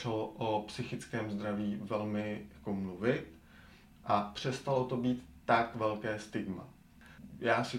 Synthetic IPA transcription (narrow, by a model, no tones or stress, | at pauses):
ɛloʔopsɪxɪt͡skɛːmzd̪ɾaviːvɛlmɪjakomluvɪt̪ | ʔapr̝̥ɛst̪alot̪o̞biːt̪ːakvɛlkɛːst̪ɪɡma̰ | jaːsɪ